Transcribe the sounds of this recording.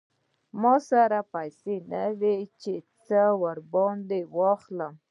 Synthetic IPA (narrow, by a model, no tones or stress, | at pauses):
mɑsaɾapajsenawet͡ʃet͡səwəɾbɑnd̪ewɑxləm